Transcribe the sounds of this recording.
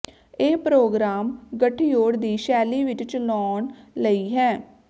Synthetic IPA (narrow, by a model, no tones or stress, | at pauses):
eːpɾoːɡɾaːmɡəʈʰːiːoːɽd̪iːʃɛːliːʋɪt͡ʃt͡ʃlɔːɳləiːɦɛː